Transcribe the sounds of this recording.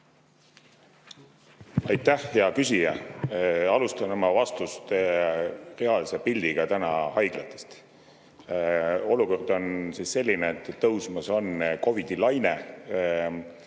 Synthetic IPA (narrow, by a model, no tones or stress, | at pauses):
ɑjt̪ˑːæhjɑkysʲijɑ | ɑlust̪ɑnemɑvɑst̪ust̪ | re̞ɑlsepilʲd̪̥iɡ̥ɑt̪ænɑhɑjɡ̥lɑt̪ːˑe̥st̪ | o̞luko̞rd̪̥o̞nsisse̞lʲːineːt̪ˑːɤwsmɑso̞nko̞vid̪̥ilɑjne